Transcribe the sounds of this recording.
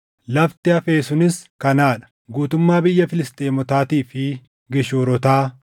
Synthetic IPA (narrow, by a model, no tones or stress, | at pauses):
lɐft̪ɪɐfe̞ːsʊnɪskɐnaːᶑɐ̥ | ɡuːt̪ʊmːaːbɪjːɐfɪlɪst̪eːmɔt̪aːt̪iːfɪ | ɡɛʃoːɾɔt̪aː